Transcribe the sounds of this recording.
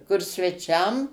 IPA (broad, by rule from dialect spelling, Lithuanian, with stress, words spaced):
kʊr sʲʋʲɛˈt͡ʃʲɛm